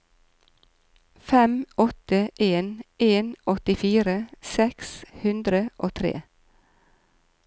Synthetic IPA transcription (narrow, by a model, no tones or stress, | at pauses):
fɛmɔt̪əʔeːnʔeːnʔɔt̪ɪfiːɾəsɛkshʉnd̪ɾəʔo̰ːt̪ʰɾḛː